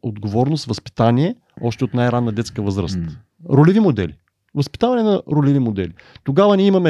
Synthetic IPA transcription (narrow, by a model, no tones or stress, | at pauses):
od̪ɡovɔɾnost̪vəspi̥t̪aniɛ | ɔʃt̪ɛot̪najɾanːəd̪ɛt̪skəvɤzɾə̰st̪ | ɾolɛvimod̪ɛ̰lḭ | vəspi̥t̪avɐnɛnɐɾolɛvimod̪ɛlit̪oɡavənʲiɛimɐmɛ